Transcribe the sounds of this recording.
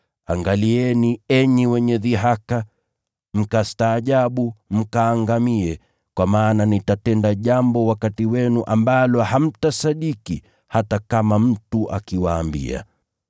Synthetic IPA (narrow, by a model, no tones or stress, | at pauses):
aŋɡaliɛniɛɲiwɛɲɛðiɦaka | m̩kastaːʄaɓum̩kaːŋɡamiɛ | kwamaːnanitatɛndaʄambɔwakatiwɛnuʔambalɔham̩tasaɗiki | hatakamam̩tuʔakiwaːmbḭa̰